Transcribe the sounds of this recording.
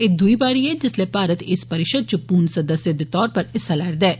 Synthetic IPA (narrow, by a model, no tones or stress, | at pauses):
ed̪uibaːɾied͡ʒɪslepaːɾət̪ɪspɐɾɪʃəd̪̚t͡ʃupuːɾɳsɐd̪əsjəd̪t̪ɔːɾpɐɾɪsːalɐɽd̪ɛː